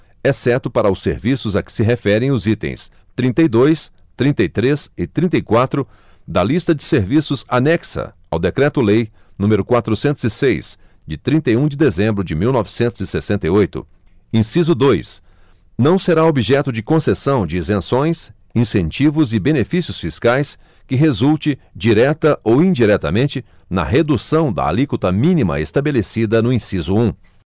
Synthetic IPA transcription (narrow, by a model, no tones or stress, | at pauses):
ɛsɛɾt̪ʊpaɾɐʊsːeɾvisʊzɐkɪ̥sɪɦefɛɾẽj̃ʊzit̪ḛ̃j̃s | t̪ɾĩnt̪ejd̪ojs | t̪ɾĩnt̪ejt̪ɾesɪt̪ɾĩnt̪ejkwat̪ɾʊ | d̪ɐlist̪ɐd͡ʒɪseɾvisʊza̰nɛksɐ̰ | a̰wd̪ekɾɛt̪ʊlej | nũmeɾʊkwat̪ɾʊsẽnt̪ʊzɪsejs | d͡ʒɪt̪ɾĩnt̪ɐjũd͡ʒɪd̪ezẽmbɾʊd͡ʒɪmiwnɔvɪsẽnt̪ʊzɪsesẽnt̪ejojt̪ʊ̰ | ĩsizʊd̪ojs | nɐ̃w̃seɾaobiʒɛt̪ʊd͡ʒɪkõsesɐ̃w̃d͡ʒɪezẽsõj̃s | ĩsẽnt͡ʃivʊzɪbenefisiʊsfiskajs | kɪɦezult͡ʃɪd͡ʒiɾɛt̪ɐʔowĩd͡ʒiɾɛt̪ɐ̰mẽnt͡ʃɪ | nɐ̰ɦed̪usɐ̃w̃d̪ɐ̰a̰likut̪ɐmĩnimɐ̰est̪abelesid̪ɐnʊĩsizʊũ